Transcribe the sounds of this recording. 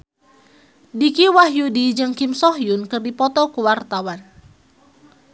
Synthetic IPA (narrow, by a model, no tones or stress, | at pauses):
dikiwahjudid͡ʒɨŋkimsɔɦjunkɨrdipɔt̪ɔkuwart̪awan